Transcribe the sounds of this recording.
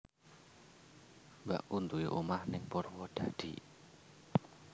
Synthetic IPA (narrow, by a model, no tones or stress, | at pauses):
ba̰ʔunt̪uiʔomahnɪŋpɔrwɔd̪̥ä̤d̪̥ḭ